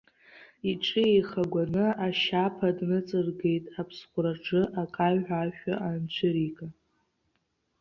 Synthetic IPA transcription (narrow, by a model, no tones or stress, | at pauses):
iʈ͡ʂʰʼɨejχaɡʷanɨaʃapʰadnɨt͡sʼɨrɡe̞jtʼapʰsχʷʊraʈ͡ʂʰɨʔakʼaɥaʃᶣaʔant͡ɕʷʰɨɾikʼa